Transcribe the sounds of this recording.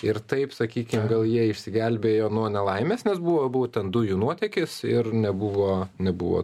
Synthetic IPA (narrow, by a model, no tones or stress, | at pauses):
ɪɾt̪ɐɪpsɐkʲiːkʲɪmɡɐlˠjiɛɪʃʲsʲɪɡʲɛlʲbʲeːjoːnuɔnʲɛlˠɐɪmʲeːsnʲɛsbuʋoːbuʋoːt̪ʲɛnd̪ʊjunuɔt̪ʲɛkʲɪsɪrnʲɛbuʋoːnʲɛbuʋo̰ː